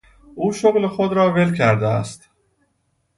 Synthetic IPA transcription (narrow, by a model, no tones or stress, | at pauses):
ʔuːʃoɣlexod̪ɾɒːvelkʰæɾd̪eæ̰st̪